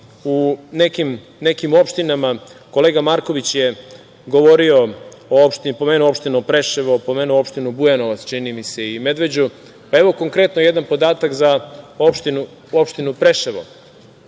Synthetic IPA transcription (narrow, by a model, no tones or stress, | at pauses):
unekim | ne̞kimo̞pʃt̪inamako̞leːɡamaɾko̞ʋit͡ɕje̞ | ɡo̞ʋo̞ɾio̞oopʃt̪ipo̞meːnuo̞pʃt̪inupɾe̞ʃeʋopo̞meːnuoo̞pʃt̪inubujanoʋat̪st͡ʃinimise̞ime̞d̪ʋe̞d͡ʑu | pae̞ʋo̞ko̞ŋkɾe̞t̪noje̞d̪anpo̞d̪aːt̪akzaopʃt̪inu | o̞pʃt̪inupɾeʃeʋo̰